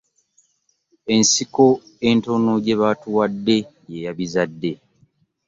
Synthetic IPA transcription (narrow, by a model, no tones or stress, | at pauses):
e̞nsiko̞ | e̞nto̞noɟe̞βatuwadːe̞ | jejaβizadːe̞